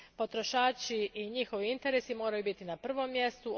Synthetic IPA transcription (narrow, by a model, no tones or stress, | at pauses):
po̞t̪ɾo̞ʃaːt͡ʃiiɲixo̞ʋiint̪e̞ɾesimo̞ːɾajubit̪inapr̩ʋo̞mːje̞st̪u